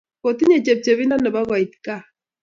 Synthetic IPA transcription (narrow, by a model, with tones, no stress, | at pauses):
ko˨ti˦ɲe˨t͡ʃɛ˨p̚t͡ʃɛ˨βi˦na˦nɛ˨ba˦ɣwa˨i˨ti̥˨ka˦˨